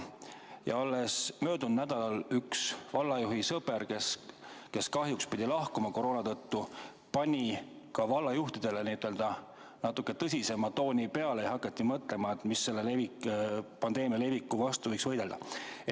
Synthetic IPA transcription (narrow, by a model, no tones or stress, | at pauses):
jɑ̰ɑlːe̞smø̞ːd̪unnæd̪̥ɑlɑlyksvɑlːɑjuɦisɤbe̞ɾkeske̞skɑɦjukspid̪ʲilɑhkumɑko̞ɾo̞ːnɑt̪ɤt̪ːu | pɑnʲi | kɑvɑlːɑjuht̪id̪̥e̞leniyt̪ːˑøld̪̥ɑ | nɑt̪ːˑukːˑe̞t̪ɤsʲise̞mɑt̪o̞ːnʲipe̞ɑle̞jɑɦɑkːˑɑt̪ʲˑːimɤt̪ˑle̞mɑe̞t̪ːˑmisːe̞lːelevikpɑnd̪̥e̞ːmiɑle̞vikːˑuvɑst̪uvɤjksvɤ̞jd̪̥eld̪̥ɑ̰